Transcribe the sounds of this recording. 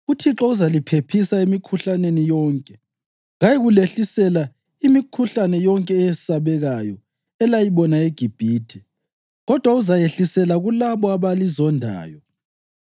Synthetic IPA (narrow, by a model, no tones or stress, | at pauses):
utʰiǁɔuzalipʰepʰisaimikʰuɬanenijɔːŋkʼɛ | ɣajiɣuleɬisɛla | imikʰuɬanɛjɔŋkʼɛjsaβɛɣajɔ | ɛlajiβɔnaeɡ̥ʱib̥ʱiːtʰɛ | ɣɔd̥ʱwauzajeɬisɛlaɣulaβɔaβalizɔndʱa̰ːjɔ